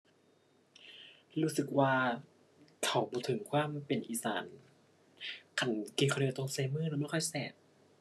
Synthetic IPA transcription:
ɾuː˦˥sɯ˨˩k̚waː˧ | kʰa˨˩˦wbɔː˧˦t̪ʰɯ˨˩˦ŋkʰwaː˧˥˨mpe˨˩nʔiː˨˩sa̰ː˨˩˦n | kʰa˨˩˦nkeː˧˩kʰːi˧˩t̪ɔ˧˩ŋseː˧˦mɯː˥˨lɛː˧˥maː˧˥˨kʰɔ˥˩jsɛː˨˩˦t̪̚

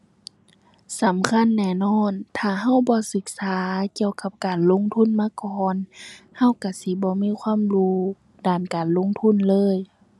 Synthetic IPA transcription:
sa˨˦mkʰa˧˥˨nːɛː˧˩˨nɔː˧˥˩nt̪ʰaː˧˩ɦa˧˥˨wbɔː˧˦sɯ˧˦k̚saː˨˦ki˧˨əwka˧˥p̚kaː˨˩nlo˧˥˨ŋt̪ʰu˧˥˨nmaː˧˥˨kɔː˧nha˧˥˨wka˧˩si˧˦bɔː˧˦miː˧˥˨kʰwaː˧˥˨mluː˧˥ | daː˨˩nkaː˨˩nlo˧˥˨ŋt̪ʰu˧˥˨nlɤː˧˥˨j

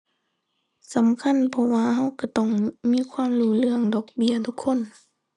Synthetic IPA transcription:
sa˨˦mkʰa˧˥˨npʰɔ˧waː˧ɦa˧˥˨wka˧˩t̪ɔ˧˩ŋmiː˧˥˨kʰwaː˧˥˨mluː˧˩lɯ˧əŋdɔː˨˩k̚bi˧˩ɐt̪ʰu˧kʰːo˧˥˨n

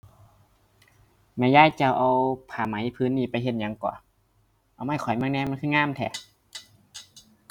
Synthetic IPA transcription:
mɛː˧˩˨jaː˧˥˨jt͡ɕa˧˩wʔa˧wpʰaː˧˩ma˨˦jpʰɯː˧˨nːiː˧˩˨pa˧˨jɦe˧t̪̚ɲa˧˦ŋkɔ̰ː˧˩˦ | ʔa˧wma˧˩˨kʰɔ˨˩jmaː˧˥˧ŋnɛː˧˥˨ma˧˥˨nkʰɯː˧˥˨ŋaː˧˥˨mt̪ʰɛ̰˧˩

